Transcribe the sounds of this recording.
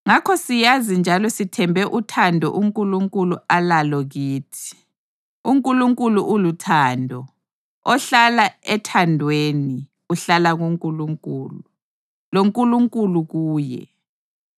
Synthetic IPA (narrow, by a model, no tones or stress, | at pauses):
ŋakʰɔsijazind͡ʒʱalɔsitʰɛmbʱɛʔutʰandʱɔ̰ʔuŋkʼuluŋkʼulualalɔɣiːtʰi̥ | uŋkʼuluŋkʼuluʔulutʰaːndʱɔ | ɔɬalaɛtʰandʱweni | uɬalaɣuŋkʼuluŋkʼuːlu | loŋkʼuluŋkʼuluɣuːjɛ̰